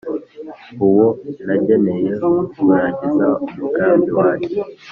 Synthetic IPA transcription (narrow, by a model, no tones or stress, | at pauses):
uwonaɟenejekuβuɾaɟizaumukaːmbiwaːce